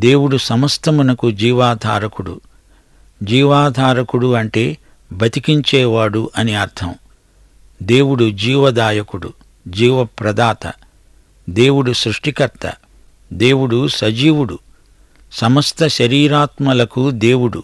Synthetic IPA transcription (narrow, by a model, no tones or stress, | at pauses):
d̪e̞ːwuɽusɐmɐst̪ʰɐmunɐkud͡ʒiːʋaːd̪ʱaːɾɐkuɽṵ | d͡ʒiːʋaːd̪ʱaːɾɐkuɽuɐɳʈe̞ː | bʱɐt̪ikiɲt͡ʃɛːʋaːɽuʔɐneɐɾt̪ʰɐm | d̪e̞ːwuɽud͡ʒiːʋɐd̪aːjɐkuɽṵ | d͡ʒiːʋɐpɾɐd̪aːt̪ɐ̰ | d̪e̞ːwuɽusɾuʂʈikɐɾt̪ɐ̰ | d̪e̞ːwuɽusɐd͡ʒiːwuɽu | sɐmɐst̪ʰɐʃɐɾiːɾaːt̪mɐlɐkud̪e̞ːwuɽṵ